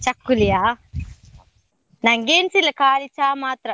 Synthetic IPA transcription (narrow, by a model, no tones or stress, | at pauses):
t͡ʃɐkːulijaː | nɐŋɡeːnsilːɐkaːlit͡ʃaːmaːt̪ɾɐ